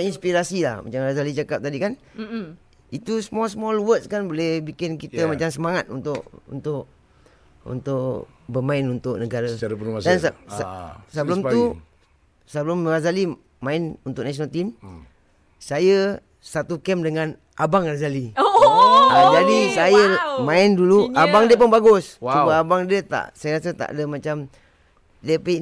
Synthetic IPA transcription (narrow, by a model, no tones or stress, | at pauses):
inspiɾasilahma̰t͡ʃamrazalit͡ʃakap̚t̪adikan | it̪usəmɔsəmɔlwək̚skanbolɛhbikɪnkit̪əmat͡ʃamsəmaŋat̪̚unt̪ʊʔṵnt̪ʊʔ | ṵnt̪ʊʔ | bəmaɪnunt̪ʊʔnəɡaɾaaɾapənmasdɛns | səblomu | səblomrazali | mãɪnunt̪ʊʔ̚nasionalt̪im | sajə | sat̪ukɛmdəŋan | ʔabaŋrazali | d͡ʒadisajəmãɪnduluabaŋdiəp̬ʊnbaɡʊsubaabaŋdiət̪a̰ʔsajəɾasət̪a̰ʔdəmat͡ʃam | dəpai